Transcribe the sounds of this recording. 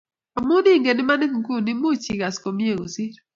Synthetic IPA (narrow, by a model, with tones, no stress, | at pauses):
o˨mʊ˦di˦˨ŋɡe˨nɪ˦ma˦nɪ˦kku˦ni˦mo˦t͡ʃi˨ɡa˨sko˨mi˦e˦˨ŋo˨si˦ɾ